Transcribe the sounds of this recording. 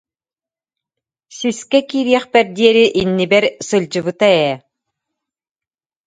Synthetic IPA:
syskɛkiːɾiɛχpɛɾd̪iɛɾiʔinːibɛɾsɯlʲd͡ʑɯβɯt̪aɛː

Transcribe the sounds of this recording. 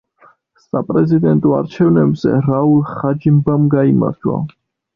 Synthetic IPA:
sapʼɾɛzid̪ɛnt̪ʼɔa̰ɾt͡ʃʰɛvnɛbz̥ɛ̰ɾaulˠχad͡ʒimbamɡaima̰ɾd̪ʰwa̰

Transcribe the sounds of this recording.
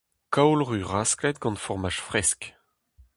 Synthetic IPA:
kawlʁyʁasklɛt̪̚ɡɑ̃nfɔʁmaʃfʁɛsk

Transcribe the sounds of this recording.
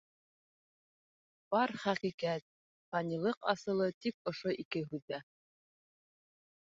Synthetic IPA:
b̥ɑɾχæqiqæt̪̚ | t̪ɑnilˠɤqɑ̰sɤ̆lˠɤt̪ik̚ŏʃoʔikɘɦʉðːæ

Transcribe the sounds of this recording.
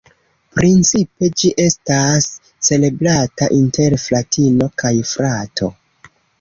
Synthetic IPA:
pɾint͡sipe̞d͡ʒiʔe̞stasː | e̞le̞bɾataʔinte̞ɾflatino̞kajfɾatʰo̞̰

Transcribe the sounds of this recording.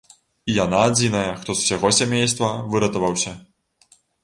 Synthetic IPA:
ijanaːd͡zʲinɐjɐxt̪ɔzuwsʲaɣɔsʲamʲejst̪vɐvɨɾɐt̪ɐvɐwsʲɐ

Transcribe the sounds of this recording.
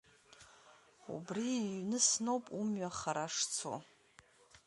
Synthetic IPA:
ṵbriːnɨsnowpʼumɥaχaɾaʂt͡sʰo̰

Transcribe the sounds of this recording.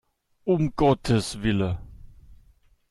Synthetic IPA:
ʔʊmɡ̥ɔtʰəsv̥ɪlə

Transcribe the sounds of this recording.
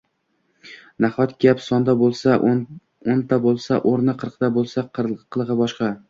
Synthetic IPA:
naχɒt̪ɡ̥ʲapsɒnd̪abolˠsa | ont̪ʰabolˠsaʔoɾnɪqʰɨɾqt̪ʰabolˠsaqqʰɨlˠʁɨbɒʃqɑ

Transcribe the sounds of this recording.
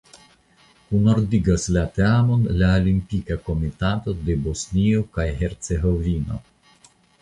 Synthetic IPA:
kuno̞ɾdiɡaslat̪eamonlaolimpikako̞mit̪at̪o̞d̪e̞bo̞sniokajhe̞ɾt͡se̞ɦo̞vino̞̰

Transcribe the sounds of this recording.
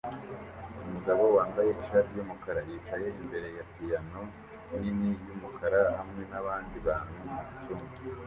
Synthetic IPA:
umuɡaβowaːmbaje̞iʃaɾijumukaɾajiːt͡ʃaje̞imbe̞ɾe̞jatijano | ninijumukʰaɾahamŋe̞naβaːndiβaːnumuitumu

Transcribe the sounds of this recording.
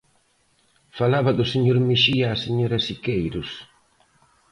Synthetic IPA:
falaβɐd̪ʊseɲoɾmiʃiaːseɲoɾɐsikejɾʊs

